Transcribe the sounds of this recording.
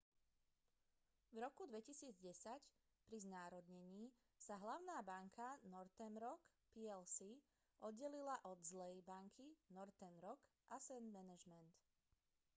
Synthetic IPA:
vɾɔkud̪ʋɛcisiːd͡zɟɛsac | pɾiznaːɾɔd̪ɲɛɲiː | saɦlaʊnaːbaŋkʰanɔɾt̪ɛnɾɔk | piɛlsi | ʔɔd̪ɟɛlilaʔɔd̪zlɛjbaŋkʰinɔɾt̪ɛnɾɔk | ʔasɛnmɛnɛʒmɛnt̪

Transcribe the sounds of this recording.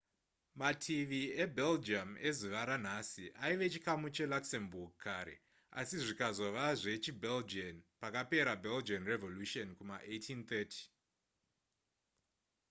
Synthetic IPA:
matʰiʋie̞bʱeld͡ʒame̞zuʋaɾan̤asiʔaiʋe̞t͡ʃikamut͡ʃe̞laksemburɡukaɾe̞̰ | a̰siʐikazo̞ʋaʐe̞t͡ʃibʱeld͡ʒonpakape̞ɾabʱeld͡ʒianrevo̞luʃonkumaʔejtʰint̪eːtʰi̥

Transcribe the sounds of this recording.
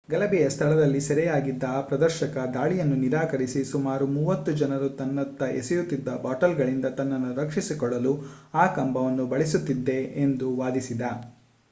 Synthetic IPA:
ɡɐlɐbɛjɐst̪ʰɐɭɐd̪ɐlːisɛɾɛjaːɡid̪ːɐpɾɐd̪ɐɾʃɐkɐd̪aːɭijɐnːuniɾaːkɐɾisisumaːɾumuːʋɐt̪ːud͡ʒɐnɐɾut̪ɐnːɐt̪ːɐʔḛsɛjut̪ːid̪ːɐbaːʈɐlɡɐɭind̪ɐt̪ɐnːɐnːuɾɐkʂisikɔɭːɐluaːkɐmbʱɐʋɐnːubɐɭisut̪ːid̪ːe̞end̪uʋaːd̪isid̪ɐ

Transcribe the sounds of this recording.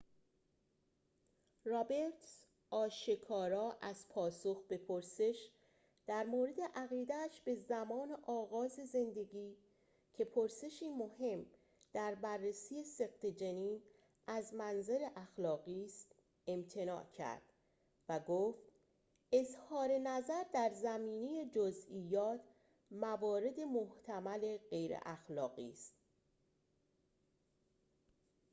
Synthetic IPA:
rɒbeɾt̪s | ʔɒːʃekʰɒːɾɒːʔæzpʰɒːsoxbe̞pʰoɾse̞ʃ | d̪̥æɾmoːɾe̞d̪e̞ʔæɣiːd̪æːʃbe̞zæmɒːneʔɒːɣɒːze̞ze̞nd̪e̞ɡiː | cʰe̞pʰoɾse̞ʃiːmohe̞m | d̪̥æɾbærːesiːe̞se̞ɣt̪ʰed͡ʒeniːn | ʔæzmænzeɾe̞ʔæxlɒːɣiːst̪ | e̞mt̪ʰe̞nɒ̰ːʔcʰæ̰ɾd̪̥ | væɡoːft̪ | e̞zhɒːɾe̞næzæɾd̪æɾzæmiːne̞je̞d͡ʒozʔiːjɒːt̪ʰ | mævɒːɾe̞d̪e̞moht̪ʰæmæle̞ɣe̞jɾḛʔæxlɒːɣḭːst̪̚

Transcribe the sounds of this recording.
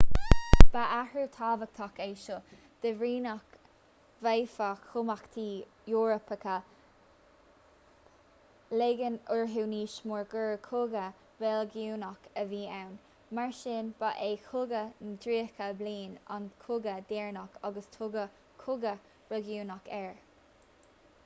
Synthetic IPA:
b̥aʔahɹut̪ʰaːvək̚t̪ʰɔkeːʃʊ | d̪̥əvɹiːnɔk | vejfakʰːʊmakt̪ʰiː | juːɹəpəkʰə | leɡənʊɹɦuːniːʃmʊɹɡəɹkʰʊɡə | vɛlɡuːnɔkʰəviːawn | maɹʃɪnb̥aʔeːxʰʊɡənd̪ɾiːkʰəbliːna̰nkʰʊɡəd̪eːɹnakʰɔɡəst̪ʰʊɡə | kʰʊɡə | ɹɔɡjuːnakʰɛɹ

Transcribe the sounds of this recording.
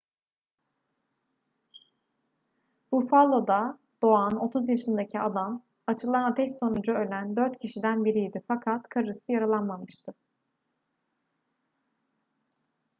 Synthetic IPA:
bufalˠod̪a | d̪̥o̞ano̞t̪ʰuzjaʃɯnd̪acʰiad̪am | at͡ʃʰɯlˠanat̪ʰɛʃso̞nud͡ʒaø̞lʲænd̪ø̞ɾt̪cʰiʃid̪ænbiɾijd̪ifakʰat̪kʰaɾɯsɯjaɾalˠanmamɯʃt̪ʰɯ

